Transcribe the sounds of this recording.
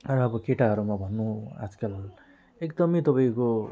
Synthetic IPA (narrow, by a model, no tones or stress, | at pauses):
rʌʌbʌkeʈaɦʌɾumabʱʌnːua̰d͡zkal | ekd̪ʌmet̪ʌpaj̃ko